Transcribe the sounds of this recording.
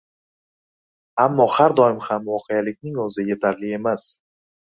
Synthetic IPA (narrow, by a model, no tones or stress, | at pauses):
amːɒhaɾd̪ɒɪmhamvɒqʰejalɪk̚ʲnɪŋɵzɪje̞t̪ʰaɾlɪe̞mas